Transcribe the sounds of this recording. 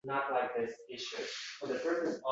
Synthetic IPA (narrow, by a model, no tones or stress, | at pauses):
nətˡlaɪk̚ðɪsɪʃʉfəðɨpʰɜ˞snɨzɔ